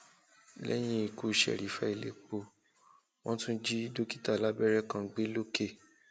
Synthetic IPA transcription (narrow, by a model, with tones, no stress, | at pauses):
lɛ̰˦j̃ĩ˦i˨ku˨ʃɛ̰˨ɾi˨˦fa˦i˨lḛ˨k͡po˧˨ | w̃ɔ̃˦tũ˦d͡ʒi˦do˦ki̥˦ta˦˨la˦bɛ˦ɾɛ˦kã˧ɡ͡be˦lo˦ke˦˨